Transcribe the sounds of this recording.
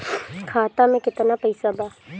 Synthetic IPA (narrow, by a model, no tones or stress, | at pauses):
kʰaːt̪amẽkɪt̪napɐɪsabaː